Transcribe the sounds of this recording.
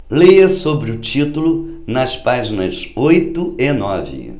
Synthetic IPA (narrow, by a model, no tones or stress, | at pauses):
lejɐsobɾɪʊt͡ʃit̪ulʊ | nɐspaʒinɐ̰zojt̪ʊenɔvɪ̰